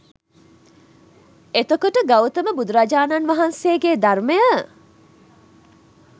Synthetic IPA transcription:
et̪əkoʈəɡawt̪əməbud̪uɾad͡ʒaːnanʋaɦanseːɡed̪arməjə

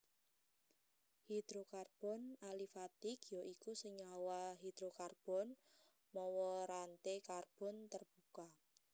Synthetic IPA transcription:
hid̪̥ɾokarb̥ɔnalifat̪ikjoʔikusəɲawaɦid̪̥ɾokarb̥ɔn | mɔwɔɾant̪ekarb̥ɔ̤nt̪ərb̥uka

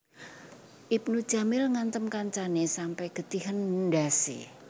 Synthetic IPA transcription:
ʔip̚nud̥ʒ̥a̤mɪlŋant̪əmkaɲt͡ʃanesampɛɡ̥ə̤t̪iɦəndasḛ

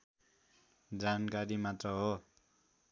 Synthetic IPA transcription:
d͡zankaɾimat̪rʌɦo

